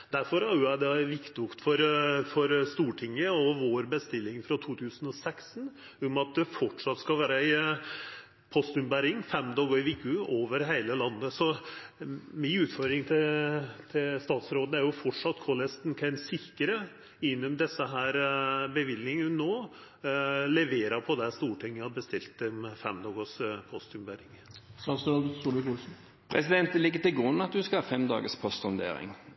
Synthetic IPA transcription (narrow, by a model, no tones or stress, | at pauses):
d̪̥æɾfɔɾhɑɾjʊæd̪ɛʋɪkt̪ʊkt̪fɔɾfɔɾst̪uːʈʰɪŋːəɔʋoːɾbəst̪ɪlːɪŋfɾɑt̪ʰuːt̪ʰʉːsənɔsɛksn̩ | ʊmɑt̪̚d̪ɛfɔʈːʂɑt̪ːskɑlʋæːɾəæɪ | pʰɔst̪ʉnbæɾɪŋfɛmd̪ɑɡoɪʋikʰʉoːʋəɾɦeɪləlɑnːəsɔ | mɪʉːt̪fɔɾd̪ɾɪŋt̪ʰɪt̪ʰɪlst̪ɑːt̪sɾoːd̪əæɾjʊfɔʈʂɑt̪ːkʰolɛst̪nkʰæɪnsɪkːəɾə | ɪnːɔmd̪ɛsːəɦæːɾbəʋɪlnɪŋənoː | lɛʋeːɾɑpʰɔd̪ɛst̪uːʈʰɪŋːəhɑbəst̪ɪlt̪̚d̪ɛmfɛmd̪ɑːɡɔspʰɔst̪ʉmbæɾɪŋsɑsɔt̪ʰuːdɪɡuɛ | pʰʁɛsɪd̪ɛnt̪əlɪɡːət̪ɪlɡʁʉnːɑt̪̚d̪ʉskɑlɑfɛmd̪ɑ̰ːɡəspʰɔst̪ʊnd̪ḛːɾɪ̰ŋ